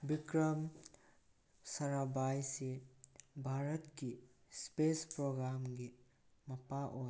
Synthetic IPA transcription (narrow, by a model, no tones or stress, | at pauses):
bikɾɐm | saɾabajse | bʱaɾətkispespɾoɡɾamɡi | mɐpaʔoj